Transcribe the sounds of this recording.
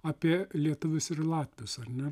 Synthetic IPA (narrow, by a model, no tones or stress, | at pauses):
ɑːpʲiɛlʲiɛt̪ʊʋʲʊsɪrlˠɑːt̪ʲʋʲɪsɐrnʲɛ